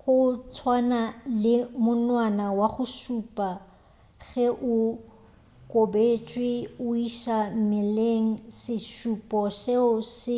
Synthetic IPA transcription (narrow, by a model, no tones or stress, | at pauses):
χʊt͡sʰwanalɪmʊnwanawaχʊʃupʼa | ɣɛʔʊ | kʼobet͡ʃʼwɪʊiʃam̩mɪleŋ̩sɪʃupʼɔʃɛʊsɪ